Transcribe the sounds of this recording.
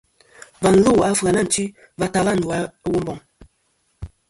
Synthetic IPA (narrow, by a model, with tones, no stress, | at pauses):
va˨n̩˦lu˦˨a˦fa˨na˦˨n̩˨˦t͡ʃi˦ | va˨ta˨la˦˨n̩˨da˨˦wu˦m˦bɔ˨ŋ